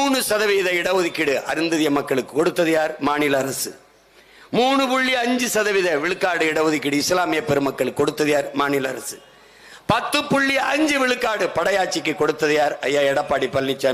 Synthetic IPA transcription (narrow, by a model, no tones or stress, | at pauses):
uːɳɯsɐðɐʋiðɐɪɽɐʋɯðɪkːɪɽɯɐɾɯnd̪ɐðɪjɐmɐkːɐɭɯkːɯ̥kːɔɽɯt̪ːɐðɯjaːɾmaːnɪlɐɐɾɐsɯ̰ | muːɳɯpʊɭːɪɐɲd͡ʒɯsɐðɐʋiðɐʋɪɭɯkːaːɽɯɪɽɐʋɯðɪkːɪɽɯɪslaːmɪjɐpːɛɾɯmɐkːɐɭɯkkːɔɽɯt̪ːɐðɪjaːɾmaːnɪlɐɐɾɐ̰sɯ | pɐt̪ːɯpːʊɭːɪɐʔɐɲd͡ʒɯʋɪɭɯkːaːɽɯpɐɽɐjaːʈt͡ʃːɪkːɯkːɔɽɯt̪ːɐðɯjaːɾɐjːaːɛɽɐpːaːɽipɐlnɪt͡ʃːa